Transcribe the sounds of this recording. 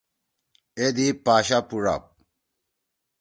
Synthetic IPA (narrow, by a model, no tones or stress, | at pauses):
ed̪ipaːɕapuɾa̰p̚